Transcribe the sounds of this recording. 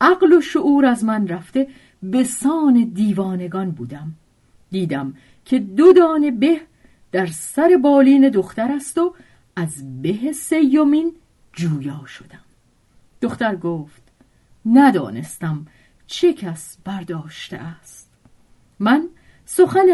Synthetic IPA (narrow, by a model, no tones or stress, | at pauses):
ʔæɣlo̞ʃoʔuːɾæzmænræft̪e̞ | be̞sɒːne̞d̪iːvɒːne̞ɡɒnbuːd̪æm | d̪iːd̪æm | cʰe̞d̪od̪ɒːne̞be̞h | d̪̥æɾsæɾe̞bɒːliːne̞d̪o̞xt̪æɾæst̪o̞ | æzbe̞ɦese̞jːo̞min | d͡ʒuːjɒːʃod̪æm | d̪̥oxt̪æɾɡoːft̪ | næd̪ɒ̰ːne̞̰st̪æm | t͡ʃʰe̞cʰæs | b̥æɾd̪ɒːʃt̪ḛʔæst̪ | mæn | so̞xæn